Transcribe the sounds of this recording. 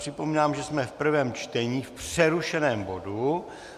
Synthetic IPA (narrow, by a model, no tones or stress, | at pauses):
r̥ɪpo̞miːnaːmʒɛsmɛfpr̩vɛːmt͡ʃt̪ɛɲiːfpr̥ɛɾuʃɛnɛːmbo̞du